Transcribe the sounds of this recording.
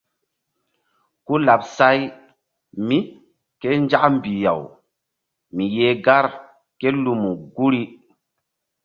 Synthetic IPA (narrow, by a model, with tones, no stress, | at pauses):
ku˦la˨p̚sa˦j | mi˦ | ke˦nd͡ʒa˦ʔmbi˨ja̰˨w | mi˨je˦ɡa˦ɾ | ke˦lu˨mu˨ɡu˦ɾi˦